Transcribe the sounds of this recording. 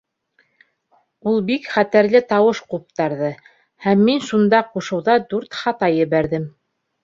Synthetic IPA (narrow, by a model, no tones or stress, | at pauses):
ulˠbikχæt̪æɾlɘt̪ɑwɤʃqup̚t̪ɑɾðɤ | hæmːinʃund̪ɑquʃɤ̆wðɑd̪ʉɾt̪χɑt̪ɑjɘ̆βæɾðɘm